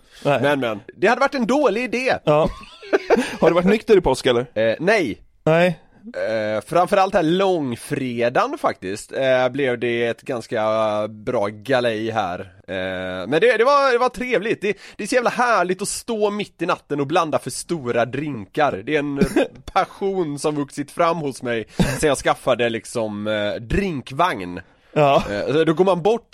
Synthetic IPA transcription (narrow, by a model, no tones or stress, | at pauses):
mɛnmɛnd̪ɛhad̪ːəvaʈːɛnd̪oːlɪɪd̪eː | haɖɛvaʈnʏkt̪əɾɪpʰɔskɛlːəɾnɛj | ɛ | fɾamfœɾalt̪æːɾlɔŋfɾeːd̪anfak̚t̪ɪst̪blɛvd̪ɛɛt̪ɡanskabɾɑːɡalɛjɦæ̰ːɾ | mɛnd̪ɛd̪ɛvaɾd̪ɛvaʈ̪ʰɾeːvlɪɡt̪̚d̪ɛd̪̥ɛɾsɔjæːvlaɦæːɭɪɡ̚t̪ɔst̪oːmɪt̪ːɪnat̪ːənɔbland̪afœʂt̪uːɾad̪ɾɪŋkaɾd̪ɛɛnpʰaɧuːnsɔmvɵksɪt̪fɾamːhʊsmɛjsɛnjɑːskafːad̪əlɪksɔmd̪ɾɪŋkvaŋn | sɔd̪ɔɡoːɾmanbɔʈː